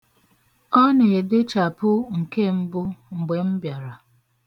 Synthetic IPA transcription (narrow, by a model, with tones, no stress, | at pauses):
ɔ˦ne˨e˨de˦t͡ʃa˨pʊ˦ŋ̩˨ke˦m̩˦bʊ˦ŋ͡m̩˨ɡ͡be˨m̩˦bja˨ɾa˨